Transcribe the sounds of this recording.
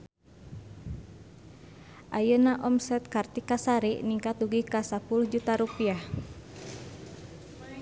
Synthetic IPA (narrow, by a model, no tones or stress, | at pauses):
ʔajənaʔɔmsɛt̪̚kart̪ikasaɾiʔniŋkat̪uɡikasapuluhd͡ʒut̪aɾupiah